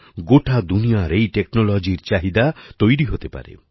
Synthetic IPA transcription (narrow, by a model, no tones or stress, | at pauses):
ɡoʈʰad̪unijaɾejʈeknolod͡ʒiɾt͡ʃaɦid̪at̪ojɾiɦot̪epa̰ɾḛ